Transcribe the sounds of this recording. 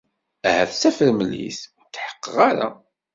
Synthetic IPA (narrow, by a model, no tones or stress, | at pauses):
æhæθsæfəɾməlːḭθ | t̪ːħə̥qːəʁaɾa̰